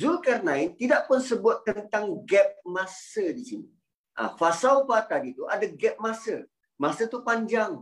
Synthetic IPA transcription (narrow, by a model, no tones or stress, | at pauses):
zukɛrnãɪnt̪idaʔpʊnsəbʊat̪ːənt̪aŋɡɛp̚mãsədisini | ʔa̰fasawfat̪adit̪uʔadaɡɛp̚masə | mãsət̪upaɲd͡ʒaŋ